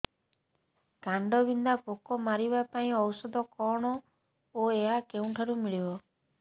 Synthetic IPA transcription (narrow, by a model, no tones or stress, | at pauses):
kaɳɖɔbind̪apokɔmaɾibapaĩɔwsɔd̪ɔkɔɽ̃ɔ | oeɦakeũʈʰaɾumiɭibɔ